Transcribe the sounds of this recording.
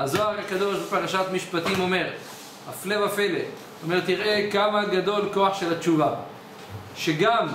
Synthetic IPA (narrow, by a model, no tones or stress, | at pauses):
azoaʁhakad̪o̞ʃbepaʁaʃat̪miʃpat̪imo̞me̞ʁ | aflevafelḛ | ome̞ʁt̪iʁʔe̞kamaɡad̪o̞lko̞aχʃe̞lat͡ʃuva | ʃeɡam